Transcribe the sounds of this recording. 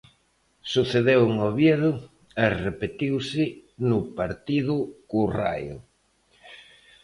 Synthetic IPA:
suθeðewŋoβjeðʊ | ɛrepet̪iwsɪnʊpaɾt̪iðʊkura̰jʊ̰

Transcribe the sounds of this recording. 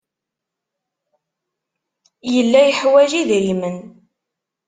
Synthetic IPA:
jəlːæjəħwæʒiðɾimən

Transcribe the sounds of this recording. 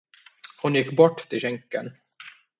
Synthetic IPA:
hʊnjɪkːbɔʈːt̪ʰɪlɕɛŋkən

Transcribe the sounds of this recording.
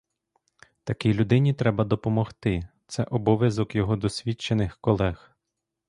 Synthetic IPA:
t̪ɐkʲilʲud̪ɪnʲit̪ɾɛbɐd̪ɔpɔmɔxt̪ɪt̪sɛʔɔbɔʋʲjɐzɔkjɔɦɔd̪ɔsʲʋʲit͡ʃːenɪxkɔlˠɛx

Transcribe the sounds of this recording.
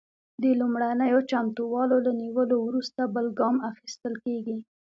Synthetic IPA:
d̪əlumɽanəjot͡ʃamt̪uwɑlolaniwəlowɾust̪abəlɡɑmaxist̪əlkeɡi

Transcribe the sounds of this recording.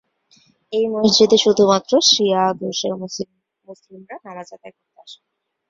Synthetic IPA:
ejmosd͡ʑud̪eʃud̪ʱumat̪ːɾoʃiad̪oɾʃeɾmos | muslimɾananad͡ʑat̪akoɾt̪eaʃ

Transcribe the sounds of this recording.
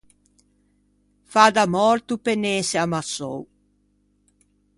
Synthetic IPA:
fad̪amɔɾt̪upeneːseamasɔ̰w

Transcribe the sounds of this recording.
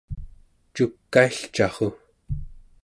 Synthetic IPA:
t͡ʃukːaiɬt͡ʃɑʁo

